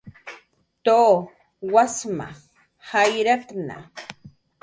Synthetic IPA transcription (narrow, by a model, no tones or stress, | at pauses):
t̪oː | wasma̰ | hajɾat̪na̰